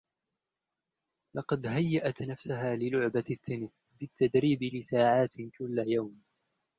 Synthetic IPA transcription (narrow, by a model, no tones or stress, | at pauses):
lɑqɑd̪ɦajːaʔat̪nafsʊɦaːlɪlʊʕbat̪ʰːanɪsbɪt̪ːad̪ɾiːbɪlɪsaːʕaːt̪kʊlːajawm